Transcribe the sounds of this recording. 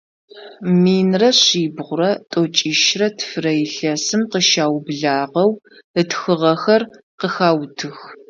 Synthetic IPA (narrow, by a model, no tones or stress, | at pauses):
miːnrɐɕiːbʁʷʊrɐtʼot͡ʃʼiːʃrɐtʰfrɐjɪɬɐsɨmqəʃaːwbɮaːʁɐw | ətxɨʁɐxɐr | qəxaːwtʰɨx